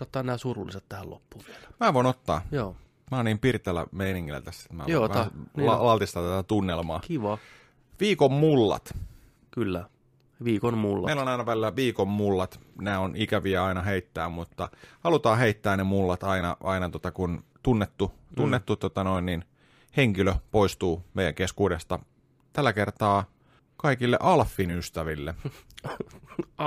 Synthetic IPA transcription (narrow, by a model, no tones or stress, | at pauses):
ot̪ːɑːnnæːsurulːiset̪t̪æhælo̰pːuːʋiɛlmæːʋoinot̪ːɑ̰ːjoː | mæɑːniːmpirt̪elːæ̰meiniŋːilːæ̰t̪æst̪æ̥e̥t̪mæ̰ʋjoːʋælɑlɑlt̪ist̪ɑːt̪æt̪æt̪unːelmɑːkiʋɑ | ʋiːkommulːɑ̰t̪ | kylːæ | ʋiːkonmulːɑeilːonɑˑinɑʋælilæʋiːkommulːɑt̪næːonʔikæʋiæɑinɑɦeit̪ːæːmmut̪ːɑhɑlut̪ɑːɦeit̪ːæːnemulːɑt̪ɑinɑʔɑinɑt̪ot̪ɑkunt̪unːet̪ːu | t̪unːet̪ːut̪ːot̪ɑno̞innin | heŋkiløpoist̪uːmeijæ̰ŋkeskuːdest̪ɑ | t̪ælːækert̪ɑː | kɑikilːḛʔɑlfːinyst̪æʋilːe